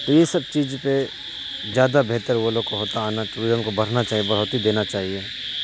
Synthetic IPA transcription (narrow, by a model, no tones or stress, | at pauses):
t̪ojesɐb̚t͡ʃiːd͡ʒpe | zjaːd̪abeɦt̪əɾʋoloɡkoɦoːt̪aːnatʊɾɪzəmkobʱɐɽ̤nat͡ʃaːɦiebɐɦʊt̪ɦid̪eːnat͡ʃaːɦieː